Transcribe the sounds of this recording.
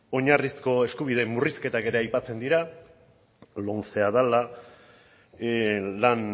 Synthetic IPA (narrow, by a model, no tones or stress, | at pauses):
o̞ɲarisko̞e̞skuβið̞e̞mːuriske̞t̪ake̞ɾe̞ajpat͡se̞nd̪iɾa | lonse̞aðala | lan